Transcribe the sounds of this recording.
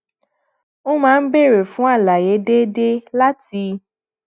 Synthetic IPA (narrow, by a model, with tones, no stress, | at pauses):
o˦mãː˨˦n̩˦be˦˨ɾe˨fũ˦a˦˨la˨je˨˦de˦de˦la˦ti˧